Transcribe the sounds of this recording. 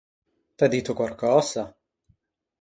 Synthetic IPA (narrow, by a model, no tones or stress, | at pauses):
t̪ad̪it̪ːokwalkɔːza